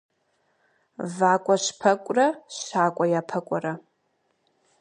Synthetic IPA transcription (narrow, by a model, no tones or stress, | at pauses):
vaːkʷʼaʂʷpʰɐkʷʼraʃaːkʷʼajapʰɐkʷʼaɾa